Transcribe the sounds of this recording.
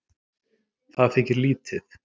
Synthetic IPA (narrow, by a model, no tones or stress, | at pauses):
θaðfɪcɪɾliːt̪ʰɪθ